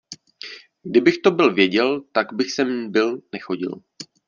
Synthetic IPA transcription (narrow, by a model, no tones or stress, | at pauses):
ɡdɪbɪxt̪o̞bɪlvjɛɟɛlt̪aɡbɪxsɛmbɪlnɛxo̞ɟɪ̰l